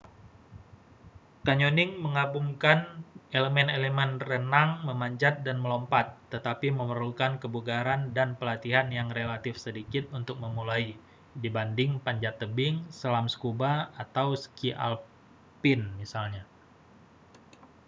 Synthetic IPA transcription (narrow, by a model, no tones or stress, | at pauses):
kaɲonɪŋməŋabumkaneləmɛneləmɛnrənaŋməmaɲd͡ʒat̪̚danməlɔmpat̪ːət̪apiməmərlukankəbuɡaɾandanpəlat̪iɦanjaŋrelat̪ɪfsədikɪt̪̚unt̪ʊk̚məmulai | dibandɪŋpaɲd͡ʒat̪ːəbɪŋsəlamskubaat̪awsə̥kiʔa̰l | pɪnmisalɲa